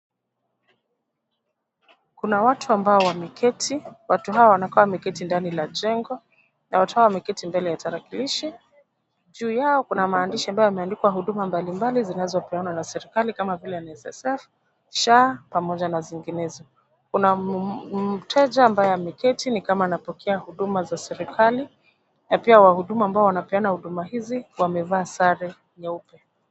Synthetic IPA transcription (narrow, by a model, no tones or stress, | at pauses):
kunawatʰuambaɔwamikʰɛtʰiwatuɦawɔwanakɔwamikɛtindanilaʄɛŋɡɔ | nawatu̥hawamɛkɛtimbɛlɛjataɾakiliʃi | ʄuːjaɔkunamaːndiʃiambajɔamɛandikwaɦuɗumambalimbalizinazɔpɛwanwanasɛɾikalikamavilɛjanɛsɛ̰sɛf | ʃapamɔʄanaziŋɡinɛzɔ | kuna | m̩tʰɛʄaːmbajɔjamikɛtinikamaːnapɔkʰɛahuɗumazasɛɾikʰali | napiawahuɗumaːmbaɔwanapɛanahuɗumahiziwamɛvaːsaɾɛ | ɲaupɛ